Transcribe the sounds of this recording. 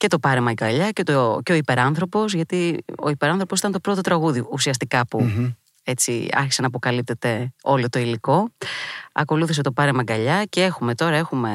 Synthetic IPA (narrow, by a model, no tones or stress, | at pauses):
ce̞t̪o̞pɐɾemɐɡɐʎɐcet̪oceo̞ipe̞ɾɐnθɾo̞po̞sʝɐt̪io̞̰ipe̞ɾɐnθɾo̞posit̪ɐnt̪o̞pɾo̞t̪o̞t̪ɾɐɣuðioʔusiɐst̪ikɐpu | e̞t͡siɐ̰ɾçi̥senɐp̬o̞kɐlip̚t̪e̞t̪e̞o̞lot̪o̞iliko̞ | ɐ̰ko̞luθis̬e̞t̪o̞pɐɾemɐɡɐʎɐce̞e̞xume̞t̪o̞ɾɐe̞xume̞